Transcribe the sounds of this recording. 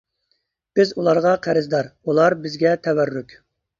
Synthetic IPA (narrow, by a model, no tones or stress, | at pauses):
b̥ɪzulˠɑɾʁɑqʰæɾɪzd̪ɑɾulˠɑɾbɪzɡʲɛt̪ʰɛwærːykʲ